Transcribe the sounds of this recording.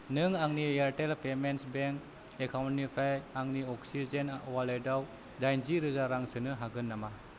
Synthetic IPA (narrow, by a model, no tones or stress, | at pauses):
nɯŋaŋnieɾʈelpʰemensbeŋk | ekʰawntnipʰajaŋniɔksizenwalejdaw | dajnziɾɯzaɾaŋsɯnɯɦaɡɯnːama